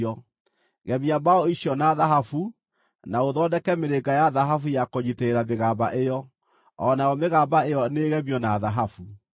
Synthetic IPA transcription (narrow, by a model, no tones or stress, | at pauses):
ɔ | ɣɛmiabaɔiʃjɔnaðaɦafu | naoðɔdɛkɛmeɾeɡajaðaɦafujakoɲiteeɾameɣaːbaʔejɔ | ɔnajɔmeɣaːbaejɔneɣɛmiɔnaðaɦafu